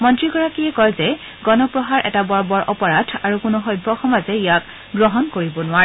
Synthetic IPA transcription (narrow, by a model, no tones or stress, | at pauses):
mɔntɹiɡɔɹakiɛkɔjzɛ | ɡɔnɔpɹɔɦaɹʔɛ̰tabɔɹbɔɹʔɔpɔɹatʰaɹukʊnuxɔjbʱːɔxɔmazɛijak | ɡɹɔɦɔnkoɹibɔnʊaɹɛ